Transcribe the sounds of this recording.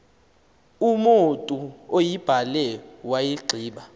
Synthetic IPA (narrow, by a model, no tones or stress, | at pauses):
umotʼuojib̥ʱalɛwajiɡ͡ǃʱiːɓa